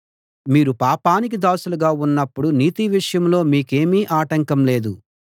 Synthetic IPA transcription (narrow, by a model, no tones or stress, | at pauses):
miːɾupaːpaːnik̬id̪aːsuluɡaːunːɐpːuɽuniːt̪iʋiʂɐjɐmlo̞ːmiːke̞ːmiːʔaːʈɐŋkɐmle̞ːd̪u